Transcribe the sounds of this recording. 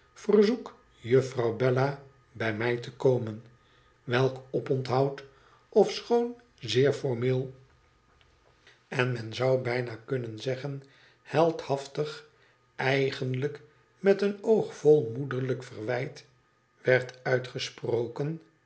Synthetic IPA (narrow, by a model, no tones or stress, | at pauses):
fərzuk | jɵfrɑwbɛla | bɛjmɛjtəkowmən | ʋɛlˠkɔpɔntɦɑwt | ɔfsχown | zɪːɹfɔɹmɪːlˠ | ɛnmɛnzɑwbɛjnakɵnənzɛχən | hɛlˠthɑftəχ | ʔɛjχənlək | mɛtənowχfɔlˠmudəɹləkfərʋɛjt | ʋɛɹtœɥtχəsprowkən